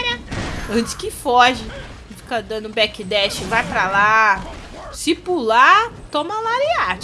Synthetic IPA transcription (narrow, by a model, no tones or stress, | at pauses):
ɾɐɐ̃t͡ʃɪ̥skɪfɔʒɪ | fi̥kɐd̪ɐ̃nd̪ʊbɛkɪd̪ɛʃt͡ʃɪvajpɾɐla | sɪpulat̪õmɐlaɾiat͡ʃ